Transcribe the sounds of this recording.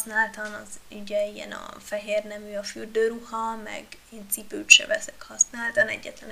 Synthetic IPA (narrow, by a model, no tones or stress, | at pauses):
snaːlt̪ɒnɒzyɟɛijɛ̰nɒ̰fɛɦeːrnɛvyɒfyːrd̪øːɾuhɒmɛ̰ɡeːnt̪sipøycʃɛ̰vɛsɛ̥khɒsnaːlt̪anɛ̰ɟːɛt̪lɛn